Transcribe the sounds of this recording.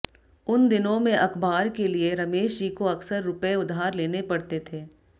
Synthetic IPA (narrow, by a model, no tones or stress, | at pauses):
ʊnd̪ɪnõmẽʔɐxbaːɾkelieɾɐmeːʃd͡ʒiːkoɐksəɾːʊpəeʊd̪ʱaːɾleːnepɐɽt̪et̪ʰeː